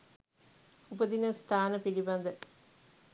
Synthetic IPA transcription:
ubɐd̪inɐst̪ʰaːnɐpilibɐnd̪ə

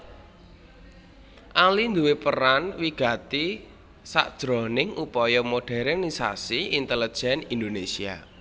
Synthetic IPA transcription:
ʔalind̪uwepəɾanwiɡ̥a̤t̪i | sa̰ʔd̥ʒ̥ɾɔnɪŋʔupɔjɔmoɖ̥ɛɾɛrnisa̰siint̪ələ̥ʒ̥ɛnind̪onesia̰

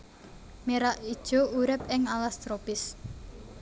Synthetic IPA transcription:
meɾaʔid̥ʒ̥o̤uɾɪp̚ɪŋalast̪ɾopɪs

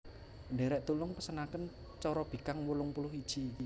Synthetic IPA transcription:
nɖeɾɛʔt̪ulʊŋpəsənakən | t͡ʃɔɾɔb̥i̤kaŋwulʊŋpulʊhid̥ʒ̥i̤

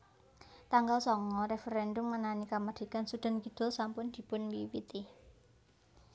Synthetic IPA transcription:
t̪aŋɡalsɔŋɔɾefeɾɛndʊmŋənanikaməd̪̥i̤kansud̪̥a̤nkid̪̥ɔ̤lsampʊnd̪̥i̤pʊnwiwit̪i

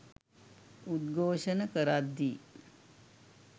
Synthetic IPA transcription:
ud̪ɡʱoːʂənəkəɾad̪iː

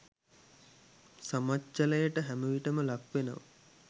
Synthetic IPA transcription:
samat͡ʃːələjəʈəɦæməʋiʈəməlakʋenəʋə̰

